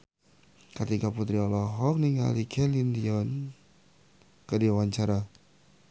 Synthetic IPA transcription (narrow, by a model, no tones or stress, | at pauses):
kət̪ikaput̪ɾiɔlɔɦɔk̚niŋa̰likʰɛlindiɔn | kədiawaɲt͡ʃaɾa